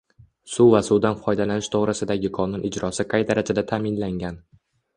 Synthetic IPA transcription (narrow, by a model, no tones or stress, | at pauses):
sʊvasʊwd̪anfɒjd̪alanɪʃt̪ʰoʁɾɪsɪd̪aɡʲɪqʰɒnʊnʔɪd͡ʒɾɒsɪqʰɑjd̪aɾad͡ʒad̪at̪ʰaːmɪnlaŋɡʲan